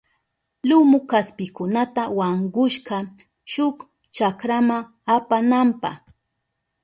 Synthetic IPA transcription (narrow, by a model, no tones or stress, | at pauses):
lʊmʊkaspɪkʊnat̪awaŋɢʊʃɢɑ | ʃʊk | t͡ʃakɾamaŋ | apanampɑ̰χ